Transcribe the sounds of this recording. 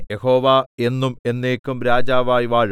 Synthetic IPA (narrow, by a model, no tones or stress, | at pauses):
jehoːʋaːe̞nːume̞nːeːkːumɾaːd͡ʑaːʋaːjʋaːɻ